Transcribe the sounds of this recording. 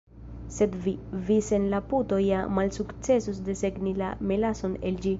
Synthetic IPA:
se̞dvivise̞nlaputo̞jamalsukt͡se̞susdese̞ɡnila̰melaso̞ne̞ld͡ʒi

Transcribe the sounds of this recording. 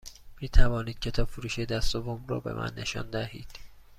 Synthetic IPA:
miːt̪ʰævɒːniːd̪̚cʰe̞t̪ʰɒːb̥foɾuːʃed̪æst̪ovomrɒ̰ːbe̞̰mʔæ̰nːeʃɒ̰ːnd̪æhḭːd̪̥

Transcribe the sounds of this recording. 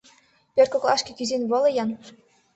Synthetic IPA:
pʲør̚ʲkoklˠɑʃkʲĕkʲyzenβɤ̆lɤ̆jɑn

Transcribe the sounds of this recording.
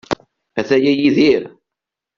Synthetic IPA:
æθæjæjiðiɾ

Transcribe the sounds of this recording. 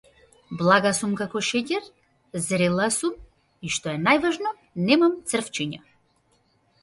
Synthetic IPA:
blˠaɡasumkakɔʃɛcɛɾ | zɾɛlˠasum | iʃt̪ɔɛnajvaʒnɔ | nɛmamt̪sr̩ft͡ʃiɲa̰

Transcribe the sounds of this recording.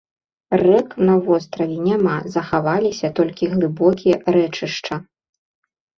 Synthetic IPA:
rɛknɐvɔst̪ɾɐvʲɛnʲamazɐxavalʲisʲɐt̪ɔlʲkʲiɣlˠɨbɔkʲijɛɾɛt͡ʂɨʂt͡ʂɐ

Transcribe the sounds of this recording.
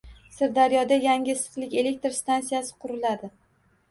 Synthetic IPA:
sɪɾd̪aɾjɒd̪ajaŋʲɪsɨ̥qlˠɪkʲe̞le̞k̚ʲt̪ɾst̪ansijasɪ̥qʰʊɾɪlad̪ɪ

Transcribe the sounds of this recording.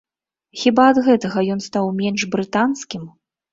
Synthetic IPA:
xʲibaɐd̪ɣɛt̪ɐɣɐjɔn̪st̪awmʲɛnʐbɾɨt̪anskʲim

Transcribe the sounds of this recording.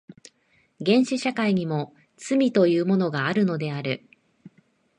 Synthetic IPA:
ɡẽ̞ɰ̃ɕiɕakaiɲ̟imo̞ | t͡sɨmʲit̪o̞jɯ̟ːmo̞no̞ɡaːɾɯ̟no̞d̪e̞aɾɯ̟

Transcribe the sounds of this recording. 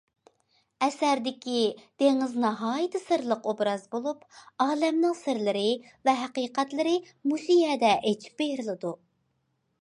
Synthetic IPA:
ɛsæɾd̪ɪkʲid̪̥eŋɪznɑɦɑːjit̪ʰɨsɨɾlˠəqobɾɑzbolˠupɑːlɛmnɨŋsɪɾlɪɾɪ | vɛɦæqiːqɛt̪lɪɾɪ | musijɛd̪ɛʔet͡ʃʰi̥p̚bejɾɨlˠɨd̪u

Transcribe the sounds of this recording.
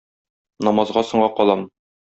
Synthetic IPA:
nɒmɑzʁɑsŏɴɢɑqɒlˠɑm

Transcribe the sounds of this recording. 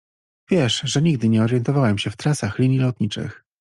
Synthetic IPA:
vʲjɛʂʐɛɲiɡ̚d̪ɘɲɛɔɾjɛnt̪ɔvawɛmɕɛft̪ɾasaxlʲiɲʲjilɔt̪ɲit͡ʂɘ̰x

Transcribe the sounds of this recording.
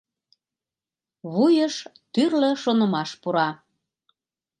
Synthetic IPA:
βujəʃ | t̪yrlə̆ʃonə̆mɑʃpuɾɑ

